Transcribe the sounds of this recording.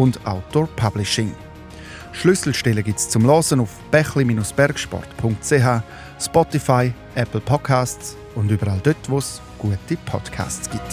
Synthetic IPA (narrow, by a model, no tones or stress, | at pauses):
ʊnda̰ʊtopʰablɪʃɪŋ | ʃlʏsl̩ʃtɛləɡɪtst͡sʊmlɔsənʊfb̥ɛχlimiːnʊsb̥ɛɾkʃpɔ̰rtpʰʊŋk̚tt͡seɦaː | spɔtifaɪ | ʔɛpl̩pʰɔ̥kʰaːstt͡s | ʊndybəɾaldøtvos | ɡ̥uətipʰɔ̰d̥kʰa̰ːst͡sɡ̥ɪt